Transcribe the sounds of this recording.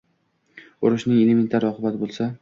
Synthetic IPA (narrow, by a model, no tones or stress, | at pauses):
ʊɾɪʃnɪŋelement̪ʰaɾɪɒqʰɨbat̪ɪbolˠsa